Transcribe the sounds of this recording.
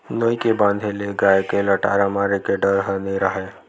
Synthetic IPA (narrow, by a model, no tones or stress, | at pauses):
noːikebãːnd̪ʱeleɡaːjkeləʈa̰ːɾamaːɾekeɖəɾɦəniɾəɦe